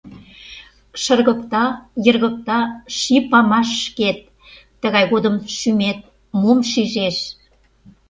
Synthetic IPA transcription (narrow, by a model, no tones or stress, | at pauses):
ʃə̆rɣə̆kt̪ɑjə̆rɣə̆k̚t̪ɑʃipɑmɑʃːket̪̚ː | ə̆ɣɑjɣod̪əmʃymet̪̚ | momʃiʒeʃ